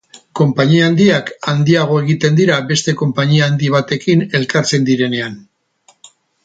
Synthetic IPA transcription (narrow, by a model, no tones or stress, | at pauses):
ko̞mpaɲiaːnd̪iakand̪iaɣ̞o̞e̞ɣ̞it̪end̪iɾabe̞st̪e̞ko̞mpaɲiaːnd̪iβ̞at̪e̞kine̞lkaɾt͡se̞nd̪iɾe̞ne̞an